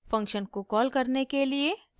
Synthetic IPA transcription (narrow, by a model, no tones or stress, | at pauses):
fɐ̃ŋkʃənkokɔːlkɐɾnekelie